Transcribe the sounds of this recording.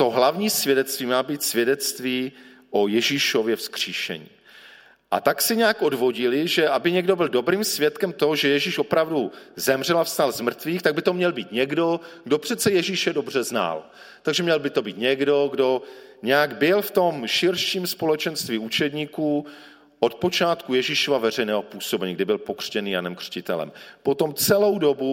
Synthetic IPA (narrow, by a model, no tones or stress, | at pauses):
t̪o̞ɦlavɲiːsvjɛdɛt̪t͡st̪viːmaːbiːt̪svʲjɛdɛt͡st̪viː | ʔojɛʒiʃo̞vjɛfskr̥iːʃɛ̰ɲḭː | ʔa̰t̪aksɪɲɛakʔo̞dvo̞ɟɪlɪʒɛʔabɪɲɛɡdo̞bɪldo̞bɾiːmsvjɛt̪kɛmt̪oɦoʒɛjɛʒiʃo̞pɾavduzɛmr̝ɛlafst̪alzmr̩t̪viːxt̪aɡ̚bɪt̪o̞mɲɛlbiːt̪ɲɛɡdo̞ɡ̥do̞pr̝̥ɛt̪t͡sɛjɛʒiʃɛdo̞br̝ɛzna̰l | t̪aɡʒɛmɲɛlbɪt̪o̞biːt̪ɲɛɡdo̞ɡdo̞ | ɲɛjaɡbɪlft̪o̞mʃɪɾʃiːmspo̞lɛt͡ʃɛnst̪viːut͡ʃɛdɲiːkuː | ʔot̪̚po̞t͡ʃaːt̪kujɛʒɪʃovavɛr̝ɛjnɛːɦopuːsobɛɲiːɡdɪbɪlpo̞kr̥cɛniːja̰nɛmkr̥cɪt̪ɛ̰lɛ̰mpot̪o̞mt͡sɛlowdo̞bu